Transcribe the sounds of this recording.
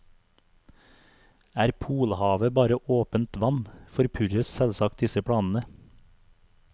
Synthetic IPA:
æːɾpʰuːlhɑːʋəbɑːɾəʔoːpənt̪ʋɑnfɔɾpʰʉɾəssɛlsɑk̚t̪̚d̪ɪsəpʰɽɑːnn̩ə

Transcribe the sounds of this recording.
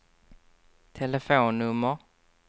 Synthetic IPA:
t̪ʰɛləfoːnːɵmːə

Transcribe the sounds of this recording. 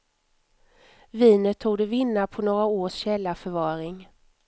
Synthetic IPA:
viːnət̪ʰːuːd̪əvɪnːapʰɔnoːɾaoːʂɕɛlːafœɾvɑːɾɪŋ

